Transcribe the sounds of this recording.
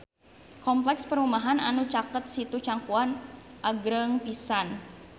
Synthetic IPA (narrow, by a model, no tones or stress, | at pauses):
kɔmplɛkspəɾumaɦananut͡ʃakət̪̚sit̪ut͡ʃaŋkuanʔaɡɾəŋpisan